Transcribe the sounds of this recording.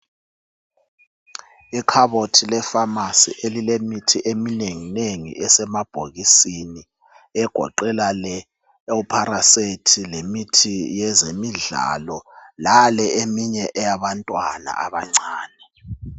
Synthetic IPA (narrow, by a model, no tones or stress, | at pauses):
ikʰaβotʰilɛfamasḭʔelilemitʰiʔemineŋineŋḭʔɛsɛmab̥ʱoɣisini | ɛɡ̥ʱɔ̰ǃɛlalɛ | upʰaɾasetʰilemitʰijɛzemiɮa̰lɔlalɛemiɲɛʔɛjaβantʼwana̰a̰βaŋ͡ǀaːnɛ